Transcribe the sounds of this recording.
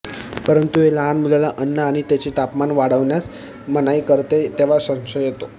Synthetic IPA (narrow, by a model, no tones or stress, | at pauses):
pəɾənt̪ueləanmulalaʔənːəaɽ̃it̪jat͡ɕit̪apmanʋaɽəʋɳjas | mənaikəɾt̪et̪eʋ̤asə̃ŋɕəjet̪o